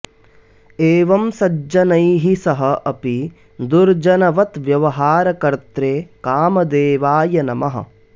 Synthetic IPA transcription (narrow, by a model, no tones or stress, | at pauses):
eːʋɐmsɐd͡ʒɐnɐjɦisɐɦɐʔɐpi | d̪uɾd͡ʒɐnɐʋɐt̪ʋjɐʋɐɦaːɾɐkɐɾt̪ɾeːkaːmɐd̪eːʋaːjɐnɐmɐɦɐ̰̆